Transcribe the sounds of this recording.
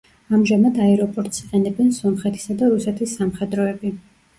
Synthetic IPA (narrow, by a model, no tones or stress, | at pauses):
amʒamad̪aɛɾɔpʼɔɾt̪ʼsiqʼɛnɛbɛnsɔmχɛt̪ʰi̥sad̪aɾusɛt̪ʰisːamχɛd̪ɾɔɛbi